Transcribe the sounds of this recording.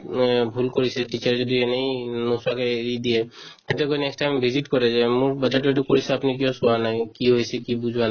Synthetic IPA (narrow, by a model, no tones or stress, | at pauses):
bʱulkoɹisɛʈit͡ʃaɹzɔd̪ienejnosakeeɹid̪iɛt̪ʰɛtɛkojnɛksʈajmbʱiziʈkɔɹɛd͡ʒɛmʊɹbad͡ʒaʈueʈukoɹisɛapnikijɔsɔanajkiɦojsɛkibuzʱwana